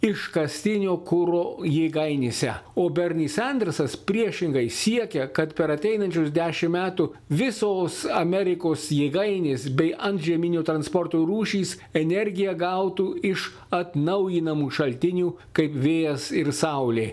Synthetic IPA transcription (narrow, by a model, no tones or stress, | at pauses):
ɪʃkɐsʲt̪ʲɪnʲoːkʊɾoːjeːɡɐɪnʲesʲɛ̰oːbʲɛɾʲnʲiːsɛnʲd̪ʲɛɾsɐspʲɾʲiɛʃʲɪŋɡɐɪsʲiɛkʲɛkɐt̪pʲɛɾɐt̪ʲɛɪnɐnʲt͡ʃʲʊsd̪ʲæːʃʲɪmmʲæːt̪uʋʲɪsoːsɐmʲɛɾʲɪkoːsjeːɡɐɪnʲeːsbʲɛɪʔɐnt̪ʒʲiɛmʲɪnʲoːt̪ɾɐnspɔɾt̪oːɾuːʃʲiːs | ɛnʲɛɾʲɡʲɪjɛɡɐʊt̪uɪʃ | ɐt̪nɐʊjɪnɐmuːʃɐlʲt̪ʲɪnʲuː | kɐɪpʋʲeːjɛsɪɾsɐʊlʲeː